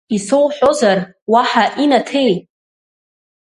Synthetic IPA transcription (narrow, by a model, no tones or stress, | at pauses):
isowħʷᶣozar | waħaʔinatʰe̞j